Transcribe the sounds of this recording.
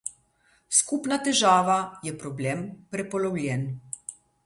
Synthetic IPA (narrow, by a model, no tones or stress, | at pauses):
skupnat̪ɛʒaːʋajɛpɾɔblɛːmpɾɛpɔlɔwljɛn